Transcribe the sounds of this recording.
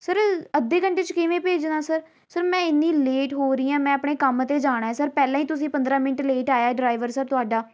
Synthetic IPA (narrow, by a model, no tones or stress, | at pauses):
səɾəd̪ːeːkəɳʈeːt͡ʃəkɪʋẽːpeːd͡ʒnaːsəɾ | səɾmɛ̃ːɪnːĩːleːʈɦoːɾiːãːmɛ̃ːəpɳeːkəmt̪eːd͡ʒaːɽ̃aːɛːsəɾpɛːlãːiːt̪ʊsĩːpənd̪ɾaːmɪnəʈleːʈaːjaːɛːɖɾaːɪʋəɾsəɾt̪ʊaːɖaː